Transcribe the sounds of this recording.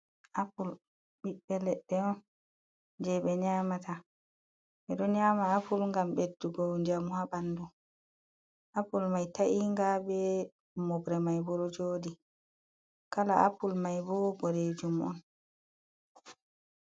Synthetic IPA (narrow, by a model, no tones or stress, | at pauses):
ʔapul | ɓiɓːɛlɛɗːɛɔn | d͡ʒɛɓɛɲaːmatʰa | ɓɛɗɔɲamaːpulŋɡambedːuɡɔɲd͡ʒamuhaɓandu | ʔapulmajtaʔiŋɡabɛ | mɔbɾɛmajbɔɾɔd͡ʒoːdi | kalaapːulmajbɔbɔɾed͡ʒumʔɔ̰n